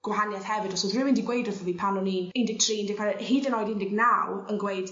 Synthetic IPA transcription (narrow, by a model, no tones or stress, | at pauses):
ɡ̥waɦanjaθhɛvɨdɔsɔðwɪmɪ̃ndiɡwejdrɔðəviːpʰanɔniːnɪndɪɡ̚tʰriːɪndɪɡkʰalhiːdənɔːjdɪndɪɡnawənɡwejd̥